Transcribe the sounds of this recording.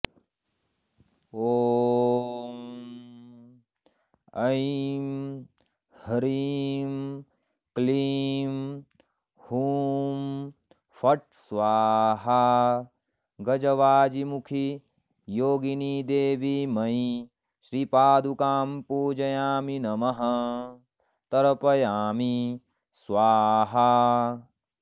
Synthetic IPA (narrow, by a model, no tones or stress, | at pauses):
oː | ɐjm | hɐɾim | kliːm | huːm | fɐʈ̚ | sʋaːɦa | ɡɐd͡ʒɐʋaːd͡ʒimukʰi | joːɡiniːd̪eːʋimɐi | ʃɾiːpaːd̪ukaːmpuːd͡ʒɐjaːminɐmɐɦɐ | t̪ɐɾɐpɐjaːmi | sʋaːɦa